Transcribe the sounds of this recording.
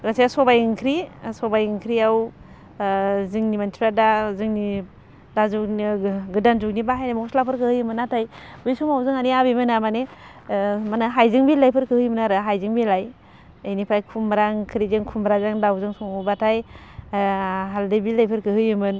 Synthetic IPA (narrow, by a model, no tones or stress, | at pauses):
ɡasesɔbajɯŋkʰɾisɔbajɯŋkʰɾiaw | zɯŋnimantʰiɾadazɯŋni | dazukɡɯdanzuk̚nibaɦajnamɔkslapʰɯɾkʰɯhɯjɯmɯnːatʰajbɯjsumawzɯŋaniabimɯnamane | manɯɦajzɯŋbilajpʰɯɾkʰɯhɯjmɯnaɾɯɦajzɯŋbilaj | ajnipʰajkʰumɾaŋkʰɾizɯŋkʰumbɾazaŋdawzɯŋsɔŋubatʰaj | ɦaldɯbilajpʰɯɾkʰɯhɯjɯmɯn